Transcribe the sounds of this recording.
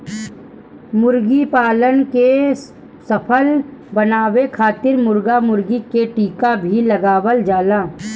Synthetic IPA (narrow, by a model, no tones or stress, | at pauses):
mʊɾɡipaːlənke | səpʰəlbənaːwekʰaːt̪ɪɾmʊɾɡamʊɾɡikeʈiːkabʱilɐɡaːwəld͡ʒaːlaː